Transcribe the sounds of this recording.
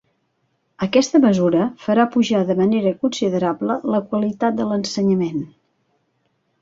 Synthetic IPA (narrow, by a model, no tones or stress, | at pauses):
əkɛst̪əməzuɾəfəɾapuʒaðəməneɾəkunsiðəɾablələkwəlit̪at̪̚d̪ələnsəɲəmen